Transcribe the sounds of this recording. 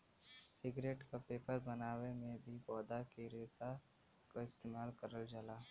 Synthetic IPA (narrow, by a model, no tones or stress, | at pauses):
sɪɡɾeːʈkapeːpəɾbɐnaːwemẽbʱibɔːd̪akiɾeːsa | kaɪst̪eːmaːlkəɾəld͡ʒalaː